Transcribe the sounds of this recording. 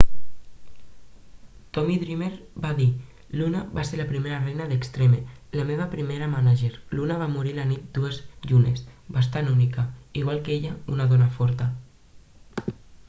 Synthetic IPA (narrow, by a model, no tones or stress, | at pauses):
t̪ɔmiðɾimeɾbaði | lunaβaseɾləpɾimeɾərejnaðəkst̪ɾemelameβ̞apɾimeɾamanaʒeɾlunaβ̞amuɾilanit̪̚d̪uezʎunesbas̬t̪anunikaiɣ̞walˠkeʎaunaðɔnafɔɾt̪ə